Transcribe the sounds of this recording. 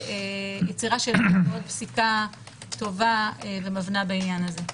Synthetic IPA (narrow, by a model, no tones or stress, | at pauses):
ejet͡siʁaʃelmeod̚psika | to̞vaevemavnabeinjanaze̞